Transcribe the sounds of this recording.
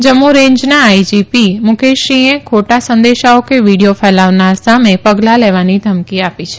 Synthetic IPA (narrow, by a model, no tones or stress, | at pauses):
d͡ʒəmːuɾẽɲd͡ʒnaːid͡ʒipimʊkʰeʃiẽkʰoʈasə̃nd̪eʃaokeʋiɽijofɛlaʋnaɾsamẽpəɡlaleʋanid̪ʱəmkiapit͡ʃʰe̥